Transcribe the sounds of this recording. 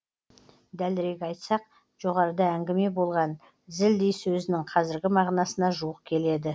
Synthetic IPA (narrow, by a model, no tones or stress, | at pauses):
d̪ælɪɾe̞ɡʲɑjt̪sɑq̚ | ʒ̥o̞ʁɑɾəd̪ɑæŋɡʲɪme̞bo̞lˠʁɑn | zɪld̪ejsɵzɪnɪŋqʰɑzɪɾɡʲɪmɑʁnɑsənɑʒuwəq̚kʲʰe̞le̞d̪ɪ